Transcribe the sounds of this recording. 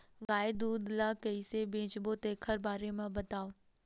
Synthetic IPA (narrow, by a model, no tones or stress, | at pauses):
ɡaːjd̪uːd̪lakɐisebẽːt͡ʃbot̪eːkʰəɾbaːɾemãbɐt̪aːo